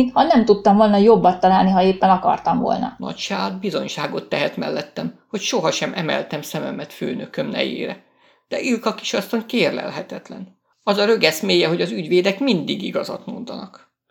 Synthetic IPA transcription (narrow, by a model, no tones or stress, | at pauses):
nhɒnɛmt̪ut̪ːɒɱvo̞lnɒjo̞bːɒt̪ːɒlaːlniɦɒeːpːɛnɒkɒ̰rt̪ɒɱvo̰lnɒ̰nɒ̰cʃaːd̪bizo̞ɲʃaːɡo̞t̪ːɛɦɛt̪mɛ̰lːɛt̪ːɛmho̞cʃo̞ɦɒʃɛmʔɛmɛ̰lt̪ɛmsɛmɛmɛt̪føːnøkømnɛ̰jḛːɾɛ | d̪̥ɛʔilkɒki̥ʃɒst̪oŋkeːrlɛ̰lɦɛt̪ɛt̪lɛn | ɒzɒɾø̞ɡɛsmeːjɛɦo̞ɟɒzyɟʋeːd̪ɛkmind̪iɡiɡɒzɒ̰t̪mo̞nd̪ɒnɒk